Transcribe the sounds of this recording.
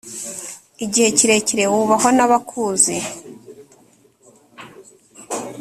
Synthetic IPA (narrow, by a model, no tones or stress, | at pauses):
iɟihe̞ciɾe̞ciɾe̞wuβaɦo̞naβakʰuːzi